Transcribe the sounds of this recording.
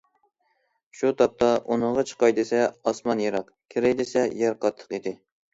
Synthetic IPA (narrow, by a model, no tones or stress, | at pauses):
ʃut̪ʰɑp̚t̪ʰɑʔunəʁɑt͡ʃʰə̥qɑjd̪ɪsɛɑsmɑnjeɾɑq | kʲʰɪɾɛjd̪ɪsɛjɛɾqʰɑt̪ʰːə̥qid̪ɪ